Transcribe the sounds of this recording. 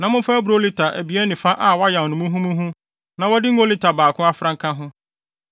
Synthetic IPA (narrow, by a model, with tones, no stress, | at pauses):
nã˨mʊ̃˦fa˦æ˦bu˨ɾli˦tʰa˨ʔæ˨bi˨˦ɛ˦nĩ˨fã˦ʔa˦˨wa˦jã˨wnʊ̃˨mũ˦ɦũ˦mũ˦ɦũ˦ | nã˨wɔ˦dɪ˦ŋ˦o˦li˦tʰa˨baː˨kʰʊ̃˦a˦fɾã˦ŋ̩˦kʰã˦ɦʊ̃˦